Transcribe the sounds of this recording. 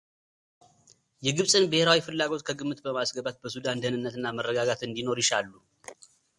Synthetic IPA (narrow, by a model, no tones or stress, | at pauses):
jɛɡɨβsʼɨnbəheɾawifɨlːaɡo̞t̪kʰəɡɨmːɨt̪bəmasɡəbat̪̚bəsud̪and̪ənɨnːət̪ɨnːamərːəɡaɡat̪ɨnd̪ino̞ɾjɪʃalːu